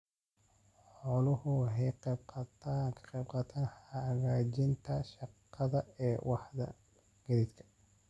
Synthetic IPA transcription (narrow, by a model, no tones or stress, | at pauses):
ħħɔːlʊhʊɦɛjqɛb̚qʰɑt̪ʰakʰqɛb̚qɑt̪ʰɐhɐɣaːt͡ʃɪnt̪ʰɐʃɑqːɐðɐɛːwʔɑħðɐ̰ | ɡ̥ɐɾid̪kʰɐ̥